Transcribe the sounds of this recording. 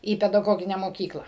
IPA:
iː pʲɛdɐˈɡoːɡʲɪnʲɛ moːˈkʲiːklˠɐ

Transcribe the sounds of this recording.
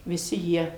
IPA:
ʋʲɪˈsʲɪ ˈjiɛ

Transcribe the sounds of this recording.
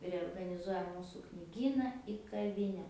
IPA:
rʲɛoːrɡɐnʲɪˈzuɔjɛ ˈmuːsuː knʲɪˈɡʲiːnɐ ɪ kɐˈʋʲɪnʲɛ

